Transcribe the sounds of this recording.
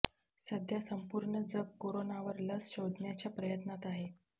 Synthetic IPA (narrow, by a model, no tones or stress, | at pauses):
səd̪ʱjasəmpuɾɳəd͡zəb̚koɾonaʋəɾləsɕod̪njat͡ɕjapɾəjət̪nat̪aɦe